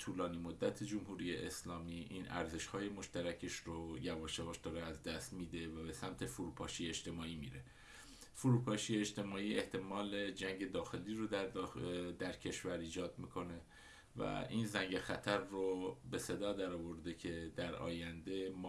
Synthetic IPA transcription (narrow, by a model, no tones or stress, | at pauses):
t̪ʰuːlɒːniːmod̪ːæt̪ʰed͡ʒomɦuːɾiːjeʔeslɒːmiːʔiːnʔæ̰ɾze̞ʃhɒːje̞mo̞ʃt̪æɾæcʰeʃɾojævɒːʃevɒːʃd̪ɒːɾeæzd̪æst̪miːd̪e̞væbe̞sæmt̪ʰe̞fuɾupʰɒːʃijeed͡ʒt̪e̞mɒːiːmḭːɾe̞ | fuɾuːpʰɒːʃijeed͡ʒt̪e̞mɒːiːe̞ht̪ʰe̞mɒːle̞d͡ʒæŋɟe̞d̪ɒːxe̞liːɾoæ | d̪æɾcʰe̞ʃvæɾiːd͡ʒɒːd̪miːkʰo̞ne̞ | væ̰iːnzæŋɟe̞xæt̪ʰæɾːobe̞se̞d̪ɒːd̪æɾɒːvo̞ɾd̪ecʰe̞d̪æɾɒ̰ːjænd̪e̞m